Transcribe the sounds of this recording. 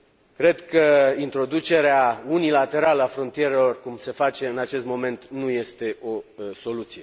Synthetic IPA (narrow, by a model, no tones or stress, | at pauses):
kɾe̞d̪kəint̪ɾo̞d̪ut͡ʃe̞ɾeaunilat̪e̞ɾaləafɾo̞nt̪ije̞ɾe̞lo̞rkumse̞fat͡ʃe̞ɨnat͡ʃe̞st̪mo̞me̞nt̪nuje̞st̪e̞o̞so̞lut̪sije̞